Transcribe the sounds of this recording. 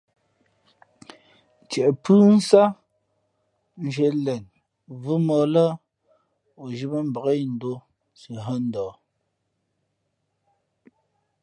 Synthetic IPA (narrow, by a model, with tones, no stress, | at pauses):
t͡ʃɛ˨ʔpʉ˦n̩˦sa˦ | n̩˨ʒe˨lɛ˨n | vu˦mɔː˨lə˦ | o˨ʒi˦bə˦m̩˦bə˨ɣe˦˨n̩˨do˦ | si˨ɦə˦n̩˦dɔː˨